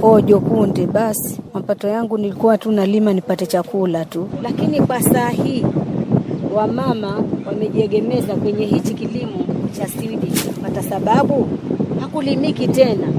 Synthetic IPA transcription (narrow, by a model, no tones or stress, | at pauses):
ɔʄɔkundɛɓasi̥mapatɔjaŋɡunilikuwatunalimanipatɛt͡ʃakulatulakinikwasaːhi | wamamawamɛʄiɛɠɛmɛzakwɛɲɛhit͡ʃikilimɔt͡ʃasiwɗit͡ʃiwatasaɓaɓuhakulimikitɛna